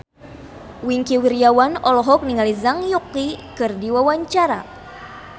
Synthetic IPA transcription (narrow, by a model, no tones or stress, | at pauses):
wiŋkiwiɾiawanɔlɔɦɔk̚niŋalizaŋjuklikɨrdiwawaɲt͡ʃaɾa